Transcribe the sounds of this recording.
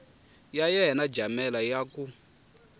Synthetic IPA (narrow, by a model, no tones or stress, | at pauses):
jajɛɦɛnad͡ʒamɛlajaku